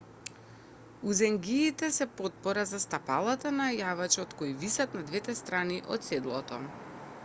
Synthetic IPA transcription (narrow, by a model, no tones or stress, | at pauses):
uzɛŋɡiːt̪ɛsɛpot̪̚pɔɾazast̪apalˠat̪anajavat͡ʃɔt̪koivisat̪nad̪vɛt̪ɛst̪ɾaniʔɔ̰t̪sɛd̪lˠɔt̪ɔ̰